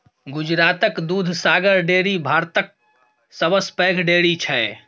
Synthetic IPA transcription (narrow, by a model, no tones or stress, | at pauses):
ɡud͡ʒɾat̪əkd̪ud̪ʱsaɡəɾɖeɽibʱaɾt̪ək̚ | səbəspɛɡʱɖeɽit͡ʃʰɛ